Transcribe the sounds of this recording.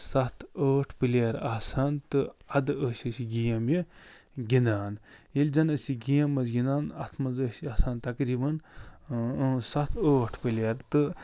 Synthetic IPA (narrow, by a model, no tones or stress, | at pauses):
sɐt̪ʰəːʈʰpɨleɾaːsaːnt̪ɨɐd̪ɨəːsʲɐsiɡijɐmji | ɡʲinaːnilʲd͡ʒɐnɐsiɡijɐmːɐsɡʲinaːnɐ̰t̪ʰmɐzəsiaːsaːnt̪ɐkɾiːbɐn | sɐt̪ʰəːʈʰpɨljɐɾt̪ɨ